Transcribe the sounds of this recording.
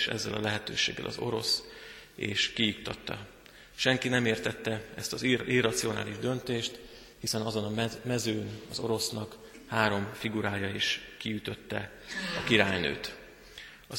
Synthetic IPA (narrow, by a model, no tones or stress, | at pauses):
ʃɛ̰zːɛlɒ̰lɛɦɛt̪øːʃeːɡːɛ̰lʔɒ̰zo̞̰ɾo̞̰s | ḛːʃkijuk̚t̪ɒt̪ːɒ̰ | ʃɛŋkinɛmeːrt̪ɛt̪ːɛɛst̪ɒzirːɒt̪sio̞na̰ːliʒd̪ø̞nt̪eːʃt̪ | hisɛnɒzo̞nɒmɛzøːnɒzo̞ɾo̞snɒk | haːɾo̞mfiɡuɾaːjɒeʃkijyt̪ø̞t̪ːɛ | ɒkiɾaːjnø̰ːt̪ | ɒ